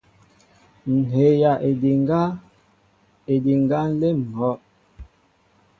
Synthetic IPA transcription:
n̩˨he˨ja˨ʔdɡa˦ | e˨di˨ŋ˨ɡa˦n̩˦le˦m̩˨hɔ˦ʔ

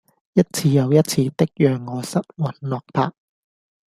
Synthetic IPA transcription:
jɐ˥t̚t͡sʰiː˧jɐ˨˧wjɐ˥t̚t͡sʰiː˧t̪ɪ˥k̚jœː˨ŋːɔː˨˧sɐ˥t̚wɐ˨˩nlɔː˨k̚pʰaː˧k̚

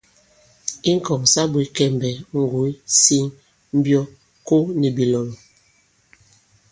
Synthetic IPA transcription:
i˦ŋ̩˦kɔ˨ŋsa˦bu˨i˦kɛ˦˨mbɛ˨ŋ̩˨ɡu˨i˦si˦ŋ | m̩˦bjɔ˦ | ko˦ni˨bi˨lɔ˨n˨

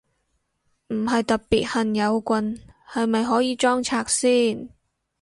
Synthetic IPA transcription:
m̩˨˩ɦɐ˨jt̪ɐ˨t̚piː˨t̚hɐ˨njɐ˨˧wkʷɐ˨˧nhɐ˨jmɐ˨jɦɔː˨˥jiː˨˧t͡ʃɔː˥ŋt͡sʰaː˨˩k̚siː˥n

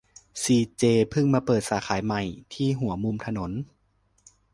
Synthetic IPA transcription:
siː˧t͡ɕeː˧pʰɯ˥˩ŋmaː˧pɤː˨˩t̪̚saː˩˦kʰaː˩˦jma˨˩jt̪ʰiː˥˩ɦu˩˦ɐmu˧mt̪ʰa˧no˩˦n

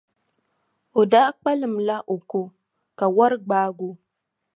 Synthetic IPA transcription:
o˨da˦ʔk͡pa˦lɨ˨m̩la˦ʔo˨ko˦ | ka˨wa˦ɾɨ˦ɡ͡baː˦ɡu˦

